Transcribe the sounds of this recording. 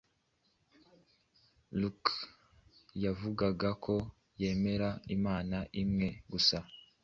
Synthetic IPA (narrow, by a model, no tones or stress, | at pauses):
luk | javuɡaɡakʰo̞ | je̞ːme̞ɾaimaːnaʔimŋe̞ɡusa